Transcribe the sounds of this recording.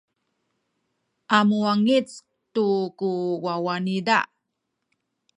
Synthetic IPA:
ʔamuaŋit͡s | tukuwawanida̰

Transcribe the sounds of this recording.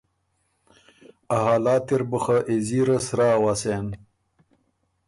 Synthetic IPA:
ɐɦaːlaːt̪iɾbəxɐʔeziɾɐsɾaːwasen

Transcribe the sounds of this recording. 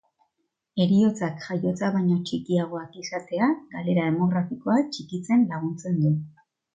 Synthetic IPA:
e̞ɾio̞t͡sakʝajo̞t͡saβajɲo̞t͡ʃikiaɣ̞o̞akisat̪e̞aɡale̞ɾaðe̞mo̞ɣ̞ɾafiko̞at͡ʃikit͡se̞nlaɣ̞unt͡se̞nd̪u

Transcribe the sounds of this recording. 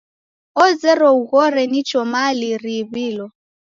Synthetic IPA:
ɔzɛɾɔuɣɔɾɛnit͡ʃʼɔmaliribiːlɔ

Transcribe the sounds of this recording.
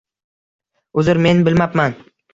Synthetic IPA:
ʊzɪɾme̞nbɪlmapman

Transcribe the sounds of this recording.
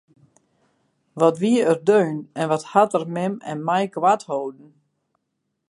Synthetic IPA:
ʋɔtʋiəərdøːnɛnʋɔthatərmɪmɛ̰nmɛjkwathoːdn̩

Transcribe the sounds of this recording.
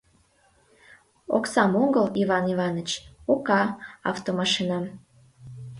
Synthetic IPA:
o̰ksɑmoŋɡəliβɑniβɑnət͡ɕokɑɑ̰ft̪omɑʃinɑm

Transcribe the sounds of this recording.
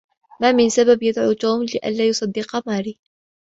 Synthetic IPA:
maːmɪnsababjad̪ʕuːt̪uːmlɪʔa̰nlaːjʊsˤɑd̪ːɪqɑmaːɾiː

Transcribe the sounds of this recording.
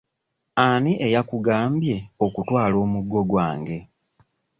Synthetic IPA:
aniʔejakuɡaːmbje̞o̞kutwaːlo̞ːmuɡːo̞ɡwa̰ːŋɡe̞

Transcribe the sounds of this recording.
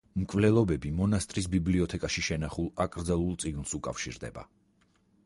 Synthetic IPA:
mkʼvlɛlˠɔbɛbimɔnast̪ʼɾisbibliɔt̪ʰɛkʼaʃiʃɛnaχulˠakʼɾd̪zɛlˠulˠt̪sʼiɡnsukʼafʃḭɾd̪ɛ̰ba̰

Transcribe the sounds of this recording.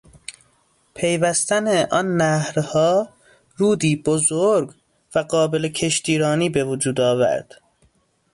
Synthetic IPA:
pʰe̞jvæst̪æneʔɒnːæhɾhɒː | ɾuːd̪iːbozoɾɡ | væɢɒːbelecʰe̞ʃt̪iːɾɒːniːbevod͡ʒuːd̪ɒːvæ̰ɾd̪̥

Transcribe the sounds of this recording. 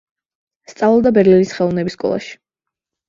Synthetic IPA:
st̪sʼavɛlˠd̪abɛɾlinisχɛlˠɔvnɛbiskʼɔ̰lˠa̰ʃi̥

